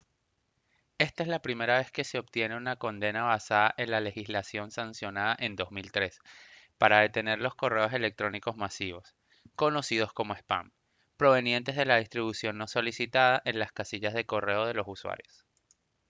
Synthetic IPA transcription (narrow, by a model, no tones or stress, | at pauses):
e̞st̪ae̞zlapɾime̞ɾaβe̞ske̞se̞o̞pt̪je̞ne̞unako̞nd̪e̞naβasaðaʔe̞nlale̞xizlasjo̞nsansjonaðaʔe̞nd̪o̞zmilt̪ɾe̞spaɾaðe̞t̪e̞ne̞ɾlo̞sko̞re̞o̞se̞le̞k̚t̪ɾo̞niko̞zmasiβ̞o̞s | ko̞no̞sið̞o̞sko̞moespa̰m | pɾo̞βe̞nje̞nt̪e̞zð̞e̞lað̞ist̪ɾiβusjo̞nːo̞so̞lisit̪aðaʔe̞nlaskasiʝazðe̞ko̞re̞oð̞e̞lo̞suswa̰ɾjo̞s